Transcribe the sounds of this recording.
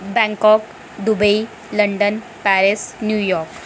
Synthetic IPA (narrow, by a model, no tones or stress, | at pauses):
bɛ̃ŋkɔk | d̪ubəi | ləɳɖən | pæɾisnjujɔɾk